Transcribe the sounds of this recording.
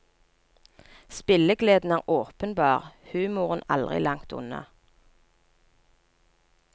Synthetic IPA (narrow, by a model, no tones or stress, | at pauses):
spɪləɡleːd̪n̩æːʁʔoːpənbɑːʁhʉːmʊʁənɑ̰ld̪ʁɪ̰lɑŋt̪ʊ̰nɑ̰